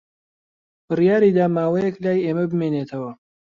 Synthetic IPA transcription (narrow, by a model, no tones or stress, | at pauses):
b̥ɨrijaːɾiːd̪aːmaːwɐjeklaːjeːmɐbɨmeːnet̪ʰɐwɐ